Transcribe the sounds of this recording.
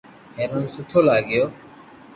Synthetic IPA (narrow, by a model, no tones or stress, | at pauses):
ɦeːɾənsʊʈʰoːlaːɡɪjoː